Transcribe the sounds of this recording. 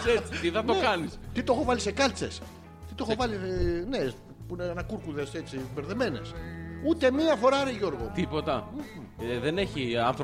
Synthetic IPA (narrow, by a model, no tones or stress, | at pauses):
et͡siiθɐt̪oekɐnist̪it̪oxo̞vɐlise̞kɐlt͡se̞̰s | t̪it̪o̞xovɐline | puinenɐkuɾkuðese̞t͡sibeɾðe̞me̞ne̞̰sut̪emiɐfo̞ɾɐɾeʝo̞ɾɣot̪ipo̞t̪ɐ | ðeneçiɐnθɾ